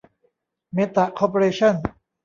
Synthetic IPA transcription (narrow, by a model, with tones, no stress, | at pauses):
me˦˥t̪ːa˨kʰɔː˧pʰo˧ɾeː˧t͡ɕʰɔ˥˨n